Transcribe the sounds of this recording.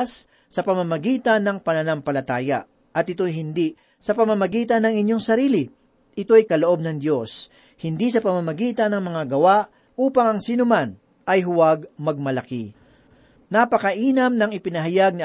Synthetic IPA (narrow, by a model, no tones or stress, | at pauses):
sː | ɐpɐmamɐɡiːt̪ɐnːɐŋpɐnɐnaŋpɐlɐt̪aːjɐ̰ | ʔɐt̪ʔɪt̪ojɦɪnd̪i | sɐpɐmamɐɡiːt̪ɐnːɐŋɪɲjo̞ŋsɐɾiːlɪ | ʔɪt̪o̞ɐjkɐloʔo̞b̚nɐŋd̪jo̞s | hɪnd̪isɐpɐmamɐɡiːt̪ɐnɐŋmɐŋaɡɐwaʔ | ʔuːpɐŋɐŋsiːnʊman | ʔɐjɦʊwaɡmɐɡ̚mɐlɐki | napɐkɐʔiːnɐmnɐŋɪpɪnɐɦɐjaɡ̚ni